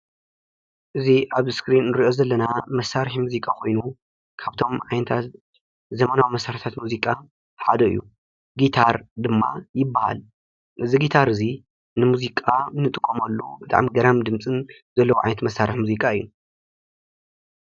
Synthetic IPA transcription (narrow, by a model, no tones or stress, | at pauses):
ʔɨziʔaβskɾinːɨɾiʔo̞zɐlːɐnamɐsaɾħimuzikʼakʰojnu | kʰaβt̪ʰo̞mʕajnɐt̪ʰat̪ | zɐmɐnawimɐsaɾħt̪ʰat̪muzikʼa | ħad̪ɐɨ̰jːu | ɡit̪ʰaɾd̪ɨmːa̰jɪbːaha̰l | ʔɨziɡit̪ʰaɾɨzi | nɨmuzikʼanːɨt̪ʼɨkʼːomɐlːubɨt̪ʼa̰ʕmiɡɐɾamd̪ɨmt͡sʼɨn | zɐlːɐwuʕajnɐt̪mɐsːaɾɨħmuzikʼaɨjːu